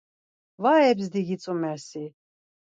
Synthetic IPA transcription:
vaːɛbzd̪iɡit͡sʼumɛɾsi

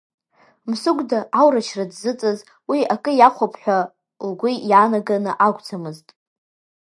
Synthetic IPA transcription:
msʊɡʷdaʔawrat͡ʃʰradzɨt͡sʼɨz | wiakʼɨjaχʷapʰħʷᶣa | lɡʷujanaɡanɨʔaɡʷt͡sʰamɨztʼ

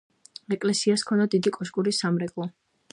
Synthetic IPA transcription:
ɛkʼlɛsiaskʰɔnad̪id̪ikʼɔʃkʼuɾisamɾɛɡʼlˠɔ

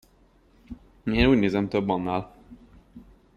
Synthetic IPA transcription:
eːnuːɟneːzɛmt̪øbːɒnːaːl

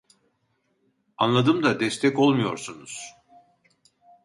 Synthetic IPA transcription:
anlˠad̪ɯmd̪ad̪ɛst̪ʰɛco̞lˠmujo̞̰ɾsunuz̥

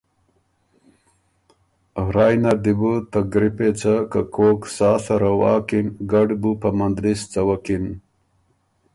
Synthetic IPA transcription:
ɾaːjnɐɾd̪ibut̪aɡɾipet͡sakakʰoːksaːsɐɾawɑ̰ːkinɡɐɖbupɐmand̪ɾist͡sɐwɐkin

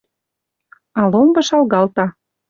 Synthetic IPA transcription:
ɑlombɤ̆ʃɑlɣɑlt̪ɑ

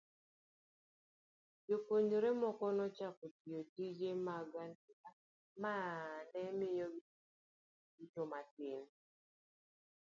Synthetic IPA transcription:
d͡ʒopoɲoɾemɔkɔnɔt͡ʃakotiotid͡ʒemaɡantia | manɛmɪjɔɡi | itomatɪn

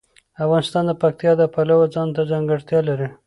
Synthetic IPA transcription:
afɣɑnɪst̪ɑnd̪əpak̚t̪jɑd̪əpalawad͡zɑnt̪ad͡ʒaŋɡaɽt̪jɑlaɾi

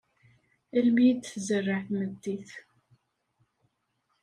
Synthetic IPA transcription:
ælmijd̪θzərːəħθməd̪ːiθ

